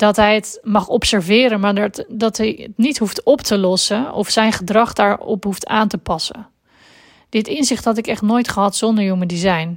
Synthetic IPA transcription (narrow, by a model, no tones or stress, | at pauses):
d̥ɑtɦɛjətmɑχɔpsɛɹvɪːɾənmaːɹdɑtɦɛjətnitɦuftɔptəlɔsənɔ̰fsɛjnχədrɑχdaːɹɔ̰pɦuftaːntəpɑsə̰n | d̥ɪtɪnzɪχtɦɑt̬ɪkɛχtnoːjtχəɦɑtsɔndəɹjomədizɛjn